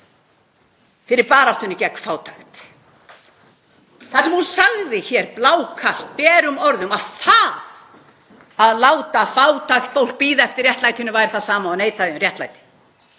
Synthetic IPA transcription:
fɪɾɪɾpaːɾawht̪ʏnʏcɛkfaːwt̪ʰaxt̪ | θaɾsɛmhunsaɣðɪçɛɾplaːwkʰast̪̚pɛːɾʏmɔɾðʏmaðfaːð | aðlaːwt̪afaːwt̪ʰaxt̪fowl̥k̚piːðaɛft̪ɪrjɛht̪lajt̪ɪnʏvaːjɾɪθaðsaːmaɔneːjt̪aðɪmɾrjɛht̪la̰jt̪ɪ̥

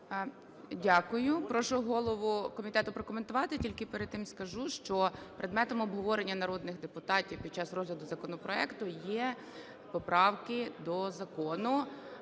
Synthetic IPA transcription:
dʲakʊjʊpɾɔʃʊɦɔlˠɔʋʊkɔmʲit̪ɛt̪ʊpɾɔkɔment̪ʊʋɑt̪ɪtʲilʲkɪpeɾed̪̚t̪ɪmskɐʒuʃt͡ʃɔpɾʔed̪mɛt̪ɔmɔbɦɔʋɔɾenʲːɐnɐɾɔd̪nɪxd̪epʊt̪ɑtʲiwpʲid̥̚t͡ʃɑsrɔzlʲɐd̪ʊzɐkɔnɔpɾɔɛkt̪ʊjɛ | pɔpɾɑwkɪd̪ɔzɐkɔnʊ

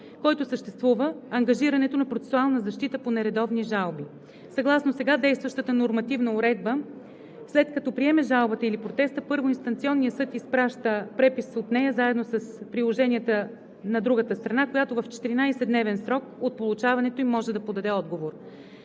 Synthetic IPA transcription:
kɔjt̪osəʃt̪ɛst̪vuvəːŋɡɐʒiɾɐnɛt̪onɐpɾot̪sɛ̥sualˠnəzɐʃt̪it̪əponɛɾɛd̪ɔvniʒalˠbi | sɐɡlˠasnosɛɡad̪ɛjst̪vəʃt̪ət̪ənoɾmɐt̪ivnəʊɾɛd̪bə | slɛt̪kɐt̪ɔpɾiɛmɛʒalˠbət̪əilipɾot̪ɛst̪əpɤɾvoinst̪ɐnt̪siɔnːijəsɤt̪ispɾaʃt̪əpɾɛpisot̪nɛjəzaɛd̪nosɐspɾilˠoʒɛnʲiət̪ə | nɐd̪ɾuɡət̪əst̪ɾɐnakojat̪ovɐft͡ʃɛ̥t̪iɾinajsɛd̪nɛvɛnsɾɔkot̪̚polˠut͡ʃavɐnɛt̪oimɔʒɛd̪ɐpod̪ɐd̪ɛɔd̪ɡovoɾ

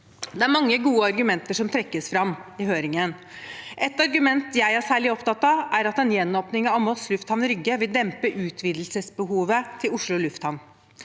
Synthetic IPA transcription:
d̪ɛæɾmɑŋːəɡuːəɑɾɡʉmɛnt̪əʂɔmt̪ʰɾɛkːəsfɾɑmɪɦøːɾɪŋən | ʔɛt̪ɑɾɡʉmɛnt̪jæɪhæʂæːɭɪɔpt̪ɑt̪ːɑʔæɾɑt̪ɛnjɛnːoːpnɪŋɑʋmɔslʉft̪hɑnɾʏɡːəʋɪld̪ɛmpəʔʉːt̪ʰʋiːd̪l̩səsbəɦuːʋət̪ʰɪlʊʂɭʊlʉft̪hɑn

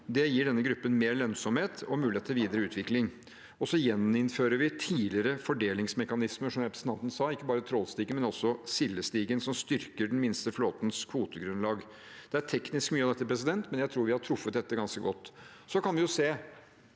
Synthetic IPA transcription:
d̪ɛjiːɖɛnːəɡɾʉpːənmeːɾlœnsɔmheːt̪ɔmʉːlɪeːt̪ːʋiːd̪əɾəʉːt̪ʋɪklɪŋ | ɔsɔjɛnɪnføːɾəɾʋɪt̪ʰiːlɪəɾəfɔɖeːlɪŋsmɛkɑnɪsməʂɔmjæpɾɛsɑnt̪ən̩sɑːɪkːəbɑːɾət̪ʰɾɔːlst̪iːɡənmɛnɔsɔsɪlːəst̪iːɡənsɔmst̪ʏɾkəɖn̩mɪnst̪əfloːt̪n̩skʰʋuːt̪əɡɾʉnlɑːɡ | d̪̥ɛæʈʰɛknɪskmyːɑd̪ɛt̪ːəpʰɾɛs̬ɪd̪ɛnt̪mɛnjæɪt̪ʰɾuːɾʋɪhɑʈʰɾʊfːət̪̚d̪ɛt̪ːəɡɑnskəɡɔt̪ː | sɔkʰɑnʋɪjʊseː

